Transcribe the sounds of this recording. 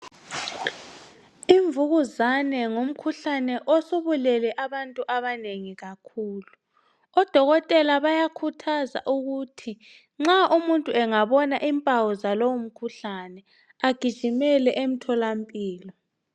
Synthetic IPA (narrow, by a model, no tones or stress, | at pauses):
iɱvuɣuzanɛŋom̩kʰuɬanɛʔosuβulɛlɛʔaβantʼuʔaβaneŋiɣakʰuːlu | ɔd̥ʱɔɣɔtʼɛlaβajakʰutʰaza̰ʔuɣutʰi | ŋ͡ǁaʔumuntʼuɛŋaβɔnaʔimpʼawɔzalowum̩kʰuɬanɛ | aɡ̥ʱid̥ʒ̥ʱimɛlɛʔem̩tʰɔlampʼiːlɔ